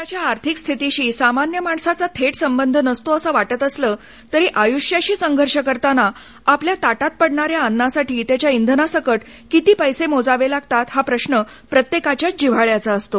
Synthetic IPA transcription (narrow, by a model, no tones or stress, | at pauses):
jat͡ɕjaːɾt̪ʰikst̪ʰit̪iɕiːsamanjəmaɳsat͡sat̪ʰeʈsəmbənd̪ʱnəst̪oəsəːʋaʈət̪əsləː | t̪əɾiːʔajuɕjaɕiːsəŋɡʱəɾʂəkəɾt̪ana | apljat̪aʈat̪̚pəɽɳaɾjaːnːasaʈʰiːt̪jat͡ɕjaind̪ʱənasəkəʈ | kit̪iːpəjsemod͡zaʋelaɡ̚t̪at̪hapɾəɕɳə | pɾət̪jekat͡ɕjad͡ʑiʋ̤aɭjat͡saːst̪o